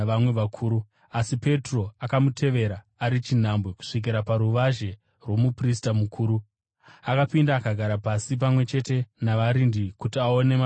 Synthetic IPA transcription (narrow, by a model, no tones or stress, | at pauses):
amweʋakʰuːɾu | asipe̞tro̞akamutʰe̞ʋe̞ɾaːɾit͡ʃin̤ambweku̥ʂik̬iɾapaɾuʋaʒe̞ | rwo̞mupristamukʰuːɾu | akapindaːkaɡʱaɾapasip̬amwe̞t͡ʃe̞te̞naʋaɾindikutiao̞ne̞ma